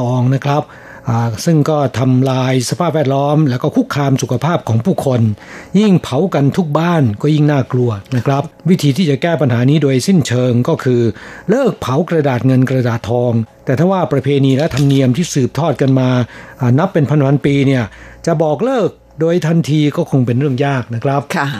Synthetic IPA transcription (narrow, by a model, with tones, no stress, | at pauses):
ɔː˧ŋna˦˥kʰɾa˦˥p̚ | ʔaː˨˩sɯ˥˩ŋkɔː˥˩t̪ʰa˧mlaː˧jsa˧pʰaː˥˩p̚wɛː˥˩t̪̚lɔː˦˥mlɛː˦˥wkɔː˥˩kʰu˦˥kʰːaː˧msu˨kʰa˧pʰaː˥˩p̚kʰɔː˩˦ŋpʰuː˥˩kʰo˧nji˥˩ŋpʰa˩˦wka˧nt̪ʰu˦˥k̚baː˥˩nkɔː˥˩ji˥˩ŋnaː˥˩klu˧ɐna˦˥kʰɾa˦˥p̚wi˦˥t̪ʰiː˧t̪ʰiː˥˩t͡ɕa˨˩kɛː˥˩pa˧nɦaː˩˦niː˦˥doː˧jsi˥˩nt͡ɕʰɤː˧ŋkɔː˥˩kʰɯː˧lɤː˥˩k̚pʰa˩˦wkɾa˧daː˨˩t̪̚ŋɤ˧nkɾa˧daː˨˩t̪ʰːɔː˧ŋt̪ɛː˨˩t̪ʰaː˥˩waː˥˩pɾa˧pʰeː˧niː˧lɛ˦˥t̪ʰa˧mni˧əmt̪ʰiː˥˩sɯː˨˩p̚t̪ʰɔː˥˩t̪̚ka˧nmaː˧ʔaː˨˩na˦˥pːe˧npʰa˧npʰa˧˥npiː˧ni˥˩ɐt͡ɕa˨˩ʔbɔː˨˩k̚lɤː˥˩k̚ | doː˧jt̪ʰa˧nt̪ʰiː˧kɔː˥˩kʰo˧ŋpe˧nɾɯ˥˩əŋjaː˥˩k̚na˦˥kʰɾa˦˥p̚